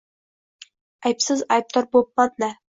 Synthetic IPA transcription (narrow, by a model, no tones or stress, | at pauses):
ɑjpsɪzɑjp̚t̪ɑɾbop̚ːɑt̪næ